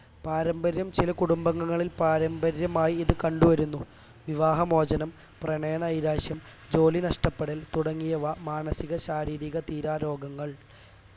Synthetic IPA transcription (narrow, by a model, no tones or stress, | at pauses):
paːɾɐmbɐɾjɐmt͡ɕilɐkuɽumbɐŋːɐŋːɐɭilpaːɾɐmbɐɾjɐmaːjiiðɨkɐɳɖuʋɐɾunːu | ʋiʋaːɦɐmo̞ːd͡ʑɐnɐm | prɐɳeːnɐɐjɾaːɕjɐm | d͡ʑo̞ːlinɐʂʈɐpːeɽilt̪uɽɐŋːijɐʋamaːɳɐsiɣɐɕaːɾiːɾiɣɐt̪iːɾaːɾo̞ːɡɐŋːɐɭ